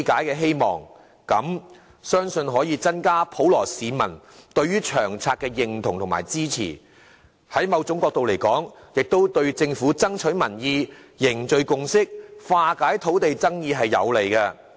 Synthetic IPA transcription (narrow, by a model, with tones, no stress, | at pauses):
kaː˨˥jkɛː˧ɦe˥jmɔː˨ŋ | kɐ˨˥m | sœː˥ŋsɵ˧nɦɔː˨˥jiː˧t͡sɐ˥nkaː˥pʰo˨˥wlɔː˨˩siː˨˧mɐ̰˨˩n | t̪ɵ˧ɥyː˥t͡ʃʰœː˨˩ŋt͡sʰaː˧k̚ɛː˧jɪ˨ŋt̪ʰʊ˨˩ŋt̪ʰʊ˨ŋma̰ː˨˩jt͡siː˥t͡sʰḭː˨˩ | hɐ˨˥jmɐ˨˧wt͡sʊ˨˥ŋkɔː˧k̚t̪o˨wle˨˩jkɔː˨˥ŋjɪ˨k̚t̪o˥wt̪ɵ˧ɥt͡sɪ˧ŋfuː˨˥t͡sɐ˥ŋt͡ʃʰɵ˨˥ɥmɐ˨˩njiː˧jɪ˨˩ŋt͡ʃɵ˨˧ɥkʊ˨˧ŋsɪ˥k̚faː˧kaː˨˥jt̪ʰo˨˥wt̪e˨jt͡sɐ˥ŋjiː˧ɦɐ˨jːɐ̰˨˧wle˨˩jkɐ˧